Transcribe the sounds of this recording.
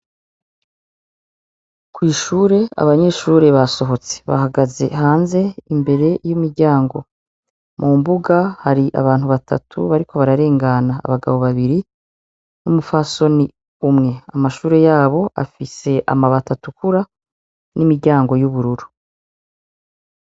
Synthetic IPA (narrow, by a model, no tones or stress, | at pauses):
kwiːʃuːɾe̞a̰βaɲe̞ʃuːɾe̞βaso̞ɦo̞t͡se̥βa̰ɦaɡaze̞̰haːnze̞imbe̞ɾe̞jumiɾɟaːŋɡo̞̰ | mumbuɡahaɾiʔa̰βaːn̥huβatʰa̰tʰṵβaɾikʰo̞βaɾaɾe̞ːŋɡana̰ːβaɡa̰βo̞βaβiɾi | numufaso̞ni | umŋe̞a̰maʃuːɾe̞jaːβo̞ʔa̰fise̞ʔa̰maβatatukuɾa | nimiɾɟaːŋɡo̞juβuɾuɾu̥